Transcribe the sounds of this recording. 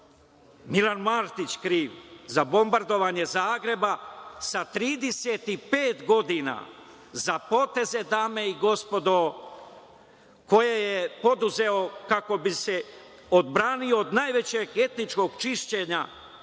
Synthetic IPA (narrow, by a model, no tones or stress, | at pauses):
milanmaːɾt̪it͡ɕkɾiːʋzabo̞mbaɾd̪o̞ʋaːɲe̞zaːɡɾe̞basat̪ɾiːd̪e̞set̪ipeːt̪ɡo̞d̪ina̰ | zapo̞ːt̪e̞ze̞d̪aːme̞iɡo̞spo̞d̪o | ko̞jejepo̞d̪uze̞o̞kako̞bise̞ | od̪bɾaːnioːd̪naːjʋe̞t͡ɕeɡe̞t̪nit͡ʃko̞ɡt͡ʃiʃt͡ɕe̞ɲa